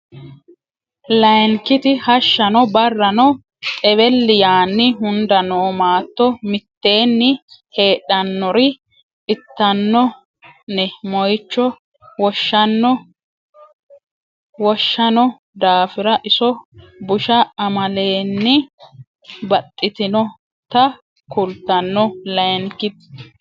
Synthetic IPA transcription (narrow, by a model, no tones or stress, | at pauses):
lɐjnkɪt̪ɪhɐʃːɐnɔbɐrːɐnɔ | t̪ʼɛβɛlːɪjaːnːɪɦʊnd̪ɐnoːmaːt̪ːɔmɪt̪ːe̞ːnːɪhe̞ːɗɐnːɔɾɪ | ɪt̪ːɐnːɔ | nɛmɔjt͡ʃːɔ | wɔʃːɐnːɔ | wɔʃːɐnɔ | d̪aːfɪɾɐʔɪsɔ | bʊʃɐɐmɐle̞ːnːɪ | bɐt̪ʼːɪt̪ɪnɔ | t̪ɐ | kʊlt̪ːɐnːɔlɐŋkɪt̪